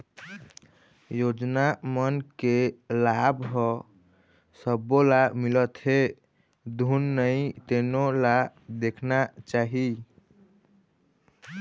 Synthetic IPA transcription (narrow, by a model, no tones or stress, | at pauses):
jod͡ʒnamənkelabɦə | səbːolamilət̪ɦe | d̪ʱunːəit̪enolad̪ekʰnat͡ʃaɦi